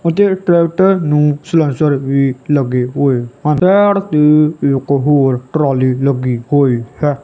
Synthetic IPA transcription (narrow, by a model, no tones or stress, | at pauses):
ʊt̪eʈɾɛːk̚ʈəɾnũːslə̃nsəɾʋiːləɡeɦoːehanɛːɽt̪eʊkɦoːɾʈɾaːliːləɡiːhoːihɛ